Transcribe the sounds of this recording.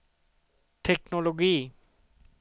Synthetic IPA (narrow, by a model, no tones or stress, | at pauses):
ʈʰeknoloɡi